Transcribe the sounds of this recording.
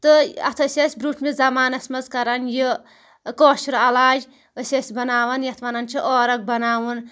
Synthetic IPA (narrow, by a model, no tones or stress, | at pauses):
t̪ɨɐ̰t̪ʰəsʲɐsʲbɾuːʈʰmezɐmaːnɐsʲmɐzkɐɾɐnji | koːʃiɾɐlaːd͡ʒ | əsʲɐsʲbɐnaːʋɐnjɐt̪ʰʋanɐnt͡ʃʰiʔɔːɾɐk̚bɐnaːwun